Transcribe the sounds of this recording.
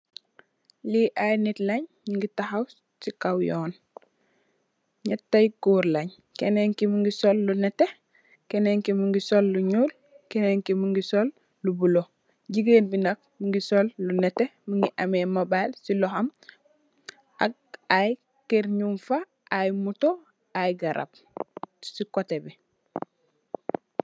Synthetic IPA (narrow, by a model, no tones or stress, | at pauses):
liʔajnitlɐɲmiŋɡitaxaw | sikawjɔːn | ɲɐtːajɡuːɾlɐɲ | kɛneŋkimuŋɡisɔlːunɛte | kɛneŋkimuŋɡisolːuɲuːl | kɛneŋkimuŋɡisolː | ubulo | ɟiɡeːnbinak̚muŋɡisolːunetemuŋɡiʔamemabalsilɔham | ʔak̚ | aj | keɾɲumfa | ʔajmuto | ajɡaɾʔa̰b̚ | sikotebi